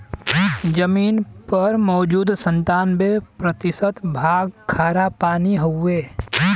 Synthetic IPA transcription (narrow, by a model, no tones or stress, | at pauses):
d͡ʒəmiːnpɐɾmɔːd͡ʒuːd̪sə̃nt̪aːnbepɾət̪ɪsət̪bʱaːɡkʰaːɾapaːniɦoeː